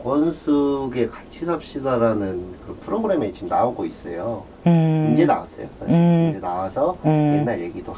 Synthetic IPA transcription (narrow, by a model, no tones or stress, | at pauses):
wʌnsʰuɡe̞kat͡ɕʰisʰap̚ɕ͈iɡaɾanɯnkɯɾʌnpʰɯɾoɡɯɾe̞me̞t͡ɕimnaoɡois͈ʌjo | ind͡ʑe̞nawas͈ʌjokaiid͡ʑenawasʰʌjenaɭje̞ɡido